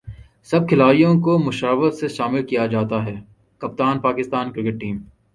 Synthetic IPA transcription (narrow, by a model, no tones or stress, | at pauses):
sɐb̚kʰɪlaːijõkomʊʃaːʋəɾseʃaːmɪlkijad͡ʒaːt̪aɦɛː | kɐp̚t̪aːnpaːkɪst̪aːnkɾɪkɪʈ̚ːiːm